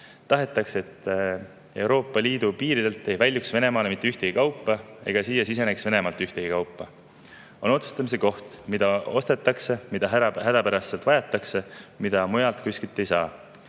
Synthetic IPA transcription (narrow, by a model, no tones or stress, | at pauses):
t̪ɑɦe̞t̪ːˑɑkse̞t̪ːˑ | e̞wɾo̞ːpːˑɑliːd̪̥upiːɾid̪̥e̞lt̪ːˑejvælʲjuksve̞ne̞mɑːle̞mit̪ˑːyht̪e̞ɡ̥ikɑwpːˑɑe̞̰ɡ̥ɑsiːjɑsis̬e̞neksve̞ne̞mɑlt̪ːˑyht̪eɡ̥ikɑwpˑːɑ | o̞no̞t̪su̥st̪ɑmis̬e̞ko̞ht̪mid̪̥ɑo̞st̪e̞t̪ːˑɑkse̞mid̪̥ɑɦɦæd̪ɑpæɾɑsːe̞lt̪ɑjɑt̪ːˑɑkse̞mid̪̥ɑmujɑlt̪ˑkuskit̪ːˑejsɑː